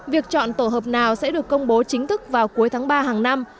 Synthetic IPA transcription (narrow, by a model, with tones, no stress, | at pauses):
vi˨˩ək̚t͡ɕɔ̰˧˨nt̪o˧˩ɦəː˨˩p̚naː˨˩wsɛ̰˧˥ɗɨ˨˩əkːə˧wŋ͡mɓo˨˦t͡ɕï˨˦ŋ̟t̪ʰɨ˦˥k̚vaː˨˩wku˨˦əjt̪ʰaː˨˦ŋɓaː˧ɦaː˨˩ŋna˧m